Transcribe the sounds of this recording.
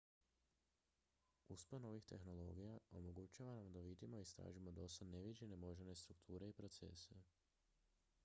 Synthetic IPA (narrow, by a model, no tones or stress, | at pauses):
uspano̞ʋixt̪e̞̰xno̞lˠo̞̰ːɡijao̞mo̞ɡut͡ʃaʋanamd̪aʋid̪imo̞ist̪ɾa̰ːʒimo̞d̪o̞sad̪neʋid͡ʑe̞ne̞mo̞ʒene̞st̪ɾukt̪ʰuːɾe̞ipɾo̞t̪se̞̰se